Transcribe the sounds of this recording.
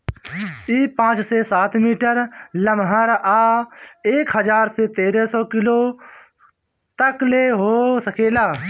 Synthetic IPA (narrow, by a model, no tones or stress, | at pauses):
iːpãːt͡ʃsesaːt̪ʰmiːʈəɾləmɦəɾaːeːkɦəd͡ʒaːɾsʰet̪eːɾɛsɔːkɪloː | t̪əkleɦoːsəkʰeːlaː